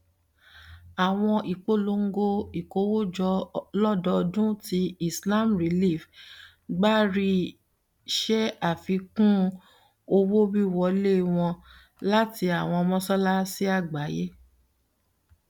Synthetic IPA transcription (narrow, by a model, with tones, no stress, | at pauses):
a˨w̃ɔ̃˧ʔi˨k͡po˦lo˨˧˦ŋ̩˦ɡo˦i˨ko˨˦wo˦d͡ʒɔ˧lɔ˦˨dɔ˧dũ˦ti˧i˨sla˦˨mɾi˨li˦˨f | ɡ͡ba˦ɾi˧ | ʃɛ˦a˦˨fi˨˧kũ˦ | o˧wo˦bi˦˨wɔ˨˧le˦˨w̃ɔ̃˧ | la˦ti˧a˨w̃ɔ̃˧ɔ˧mɔ̃˦sɔ˦la˦si˦a˦˨ɡ͡ba˨˦je˦